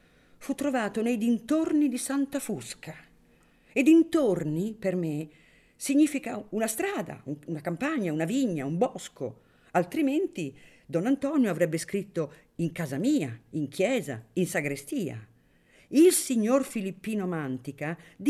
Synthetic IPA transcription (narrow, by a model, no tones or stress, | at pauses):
fut̪ːɾovaːt̪onɛjd̪int̪ornid̪isant̪afuska | ed̪int̪orniperme | siɲːiːfikaunast̪ɾaːd̪a̰uunakampaɲːaunaviɲːaumbɔsko̰ | alt̪ɾiment̪i | d̪ɔnːant̪ɔːnjoavɾɛbːeskɾit̪ːo | iŋkaːzamiːaiŋkʰjɛːza̰insaɡɾest̪iːa̰ | ilsiɲːorfilipːiːnomant̪ikad̪